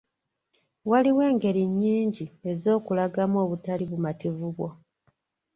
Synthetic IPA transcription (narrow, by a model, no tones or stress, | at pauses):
waliwe̞ːŋɡe̞ɾiɲːiːɲɟie̞zo̞ːkulaɡamo̞ːβutaliβumativuβwo̞